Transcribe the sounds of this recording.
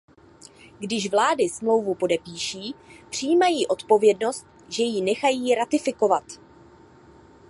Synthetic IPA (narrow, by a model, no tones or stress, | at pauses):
ɡdɪʃvlaːdɪsmlo̞wvupo̞dɛpiːʃiːpr̥ijiːmajiːʔo̞t̪po̞vjɛdno̞st̪̚ | ʒɛjinɛxajiːɾat̪ɪfɪko̞vat̪